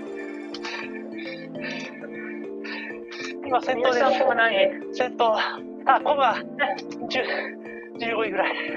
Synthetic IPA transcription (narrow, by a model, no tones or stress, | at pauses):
imasẽ̞nt̪oːd̪eãkokɯnai | sẽnt̪o | akoɡa | d͡ʑɨ | d͡ʑɨːɡoiɡɯ̟ɾai